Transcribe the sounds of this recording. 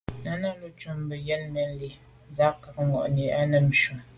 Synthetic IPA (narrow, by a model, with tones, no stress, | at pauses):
na˦na˦lo˦t͡ʃu˦m˦bə˨jɛ˦lmɛ˨˦n˦li˨˦ | za˦ka˨k̚ŋɔ̰˨ʔni˨a˦nə˨m̩˨ʃu˨m